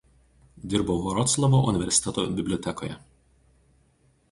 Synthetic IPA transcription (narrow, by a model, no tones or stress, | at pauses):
d̪ʲɪɾboʋɔɾɔt̪slˠɐmoʔʊnʲɪʋʲɛɾʲsʲɪt̪ʲɛt̪o̰bʲɪbʲlʲɔt̪ʲɛko̰ːjɛ̰